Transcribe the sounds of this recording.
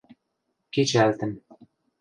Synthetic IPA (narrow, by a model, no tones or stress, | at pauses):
kit͡ɕælt̪ə̆m